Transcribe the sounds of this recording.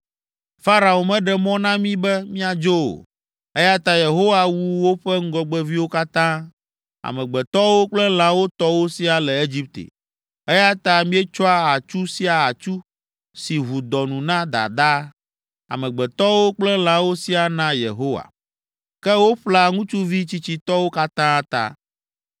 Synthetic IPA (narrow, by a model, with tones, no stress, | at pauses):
fa˦ɾa˨o˨mɛ̃˦ɖɛ˨mɔ̃˦nã˦mĩ˦bɛ˦mĩ˦a˨d͡ʒo˦o̰˨ | ɛ˦ja˦t̪a˦je˨ɦo˦wa˨wu˦wo˦ɸɛ˦ŋ̩˦ɡɔ˨ɡ͡bɛ˦vi˦wo˦ka˦t̪ã˦ | a̰˨mɛ̃˨ɡ͡bɛ˨t̪ɔ˦wo˦k͡plɛ˦l̃ã˨˦wo˦t̪ɔ˦wo˦si˦a˨lɛ˨e˦d͡ʑi˦p̚t̪ḛ˨ | ɛ˦ja˦t̪a˦mĩ˦ɛ˦t͡ʃɔ˦a˦a˨t͡ʃu˦si˦a˨a˨t͡ʃu˦ | si˨ɦu˨d̪ɔ˨nũ˨nã˦d̪a̰˨d̪a˦ | a̰˨mɛ̃˨ɡ͡bɛ˨t̪ɔ˦wo˦k͡plɛ˦l̃ã˨wo˦si˦a˨nã˦jḛ˨ɦo˦wa̰˨ | kɛ˦wo˦ɸla˨ŋũ˦t͡ʃu˦vi˦t͡ɕi˦t͡ɕi˨t̪ɔ˦wo˦ka˦t̪ã˦t̪a̰˦